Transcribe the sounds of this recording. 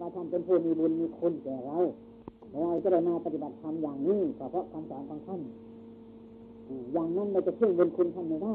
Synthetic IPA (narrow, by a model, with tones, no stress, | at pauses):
wa˧˩t̪ʰa˧˥˩npe˧˨npʰuː˧˩miː˧˨bu˧nmiː˧˥kʰo˧˥˨nkɛː˨˩ɾa˧w | lʰɔː˧˩ɾa˧˩t͡ɕa˧˨da˧˩jmaː˧pa˧t̪i˧˩ba˨t̪̚t̪ʰːa˧˥mjaː˨˩ŋniː˧˥˩p̪ʰɔː˧˩pʰɔ˧˥˨kaː˧mkɔː˨˦nkaː˧ŋt̪ʰa˧˩˨n | ʔɯː˧˩jaː˨˩ŋmu˧˥˨nma˧˩˨t͡ɕa˧˩kʰɯ˥˩ə˨ŋbo˧˨nkʰu˧˨nt̪ʰa˧˥˨nːa˧daː˥˩˨